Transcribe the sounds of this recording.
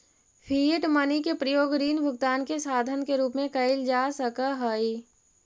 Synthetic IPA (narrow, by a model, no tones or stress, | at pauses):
pʰiʈmənikepɾəjoːɡɾiːnbʱʊɡt̪aːnkesaːd̪ʱənkeɾuːpmẽkəɪld͡ʒasəkəɦəi